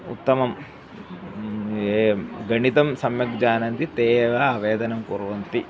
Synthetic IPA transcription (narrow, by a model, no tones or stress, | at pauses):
ṵt̪ːɐmɐm | ɡɐɳit̪ɐmsɐmjɐkd͡ʒaːnɐnt̪it̪eːʋɐʋeːd̪ɐnɐmkuːɾuʋɐnt̪i